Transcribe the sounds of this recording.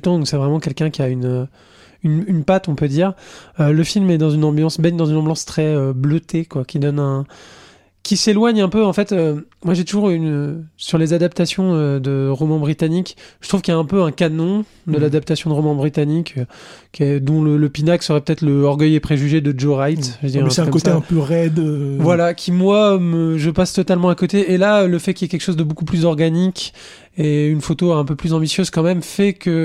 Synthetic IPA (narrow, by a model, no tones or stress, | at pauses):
t̪ɑ̃d̪ɔ̃ksɛvʁɛmɑ̃kʲɛlkʲɛ̃kʲiaynø | ynynpat̪ɔ̃pød̪iːʁøləfilmɛd̪ɑ̃zynɑ̃bjɑ̃sbɛɲd̪ɑ̃zynɑ̃bjɑ̃st̪χɛøbløt̪ʰekwakʲid̪ɔnɛ̃ | kʲiselwaɲɛ̃pøɑ̃fɛt̪ømwaʒet̪uʒuʁynøsyʁlezad̪ap̚t̪asjɔ̃ød̪əʁɔmɑ̃bʁit̪anikʒ̥ət̪χuv̥kʲiljaɛ̃pøɛ̃kanɔ̃ | d̪əlad̪ap̚t̪asjɔ̃d̪əʁɔmɑ̃bʁit̪anikøɛd̪ɔ̃lələpinaksəʁɛpø̥t̪ɛt̪χləɔʁɡʲœjepχeʒyʒed̪əd͡ʒoʁajt̪ʒəd̪iʁɛɛ̃t̪sɛkɔkoseɛ̃pøʁɛd̪øvwalakʲʰimwaməʒəpast̪ɔt̪almɑ̃akot̪eelaləfɛkʲiljɛkʲɛlkʃozd̪əbokuplyzɔʁɡanikʲ | eynfot̪oɛ̃pøplyzɑ̃bisjøz̥kɑ̃mɛmfɛkə